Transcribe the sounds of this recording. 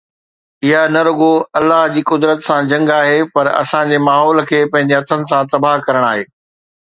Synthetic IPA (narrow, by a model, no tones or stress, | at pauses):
ɪɦanɐɾʊɡoɐlːaɦd͡ʑiːkʊd̪ɾət̪sãd͡ʑɐ̃ŋɡaːɦepɐɾɐ̰sãd͡ʑeːmaːɦɔːlkʰeːpɐ̃ɦɪ̃ɲd͡ʑeɦɐt̪ʰənɪ̆sãt̪ɐbaɦkɐɾəɽ̃aːɦeː